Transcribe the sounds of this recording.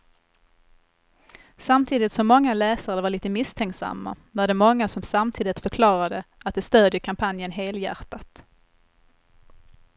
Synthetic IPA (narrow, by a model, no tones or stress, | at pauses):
samt̪ʰiːd̪ɪt̪sɔmːɔŋːalɛːsaɾəvaɭiːt̪əmɪst̪ʰɛŋksa̰mːa̰ | vaɖɛmɔŋːasɔmsamt̪ʰiːd̪ɪt̪fœɾkʰlɑːɾad̪əʔat̪̚d̪ɛst̪øːd̪jəkʰampʰanjənɦeːljæ̰ɾt̪at̪